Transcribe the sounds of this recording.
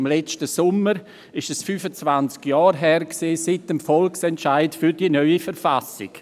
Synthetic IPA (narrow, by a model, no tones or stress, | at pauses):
mlɛt͡ʃtəsʊməɾ | ɪʃɛsfyːfət͡svant͡skjɑːɾɦɛːɾksiːsɪtəmfɔlksɛntʃaɪtfyɾdinœʏifəɾfasɪ̰k